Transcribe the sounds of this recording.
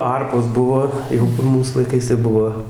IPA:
ˈɐrpoːs ˈbʊʋoː ˈjɛʊ kʊr ˈmuːs lˠɐɪˈkɐɪs tɐɪ ˈbʊʋoː

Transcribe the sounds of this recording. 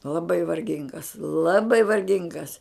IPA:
lˠɐˈbɐɪ ʋɐrʲˈɡʲɪŋɡɐs lˠɐˈbɐɪ ʋɐrʲˈɡʲɪŋɡɐs

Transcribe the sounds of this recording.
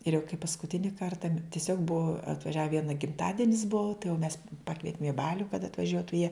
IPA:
ɪr jɛʊ kɐɪ pɐskʊˈtʲɪnʲɪ ˈkɐrtɐ tʲɪˈsʲoːk ˈbuɔ ɐtʋɐˈʒʲæːʋʲɛ ˈʋʲiɛnɐ ɡʲɪmˈtɑːdʲɪnʲɪs ˈbʊʊ tɐɪ jɛʊ mʲɛs ˈpɑːkʋʲiɛtʲɪm ɪ ˈbɑːlʲʊ kɐt ɐtʋɐˈʒʲuɔtʊ jiɛ

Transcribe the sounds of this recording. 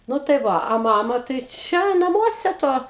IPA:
ˈnʊ tɐɪ ˈʋɐ ɐ ˈmɑːmɐ tɐɪ ˈt͡ʃʲɛ nɐˈmuɔsʲɛ ˈtoː

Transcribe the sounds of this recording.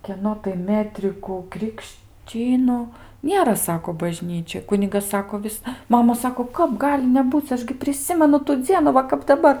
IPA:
kʲiɛˈnoː tɐɪ ˈmʲæːtʲrʲɪkuː krʲɪkʃʲˈt͡ʃʲiːnʊ ˈnʲeːrɐ ˈsɑːkoː bɐˈʒʲnʲiːt͡ʃʲoːj ˈkʊnʲɪɡɐs ˈsɑːkoː ˈʋʲɪs ˈmɑːmɐ ˈsɑːkoː ˈkɐp ˈɡɑːlʲɪ nʲɛˈbuːt͡s ˈɐʃ ɡʲɪ pʲrʲɪˈsʲɪmʲɛnʊ tʊ ˈd͡zʲiɛnʊ ˈʋɐ kɐp dɐˈbɐr

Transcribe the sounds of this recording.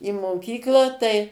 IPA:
ɪ moːˈkʲiːklˠɑː tɐɪ

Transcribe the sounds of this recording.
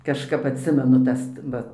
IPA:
kɐʃˈkɐp ɐtʲˈsʲɪmʲɛnʊ ˈtɐs ˈʋɐ

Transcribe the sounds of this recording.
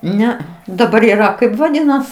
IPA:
ˈnʲɛɐ dɐˈbɐr iːˈrɐ ˈkɐɪp ʋɐˈdʲiːnɐs

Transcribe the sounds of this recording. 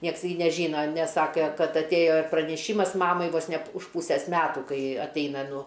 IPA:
ˈnʲiɛks ɡʲɪ nʲɛˈʒʲiːnɐ nʲɛs ˈsɑːkʲɛ ˈkɐt ɐtʲˈeːjoː ɪr prɐnʲɛˈʃʲiːmɐs ˈmɑːmɐɪ ʋoːs nʲɛ p ʊʃ ˈpuːsʲeːs ˈmʲæːtuː ˈkɐɪ ɐtʲˈɛɪnɐ ˈnʊ

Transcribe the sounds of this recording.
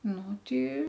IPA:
ˈnʊ ˈtʲɪ

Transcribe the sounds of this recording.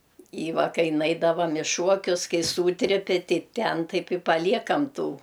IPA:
ɪ ˈʋɐ ˈkɐɪ ˈnɐɪdɐʋɐm ɪ ˈʃuɔkʲʊs ˈkɐɪ ˈsuːtʲrʲɪpʲɪ ˈtʲɛɪ ˈtʲɛn ˈtɐɪp ɪ pɐˈlʲiɛkɐm ˈtuː

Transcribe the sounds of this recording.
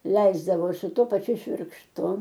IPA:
ˈlʲɛɪzdɐʋoː sʊ ˈtuɔ pɐˈt͡ʃʲʊ ʃʲʋʲɪrkʃˈtʊ

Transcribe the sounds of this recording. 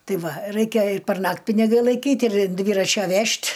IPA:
ˈtɐɪ ˈʋɐ ˈrɐɪkʲɛ ɪr pʲɛrˈnɐktʲ pʲɪnʲɪˈɡɐɪ lˠɐɪˈkʲiːtʲ ɪr ɪn ˈdʲʋʲiːrɐt͡ʃʲɛ ˈʋʲɛʃʲtʲ

